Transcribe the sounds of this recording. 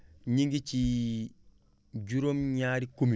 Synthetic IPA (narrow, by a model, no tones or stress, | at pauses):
ɲiŋɡit͡ʃi | ɟuɾomɲaːɾikumi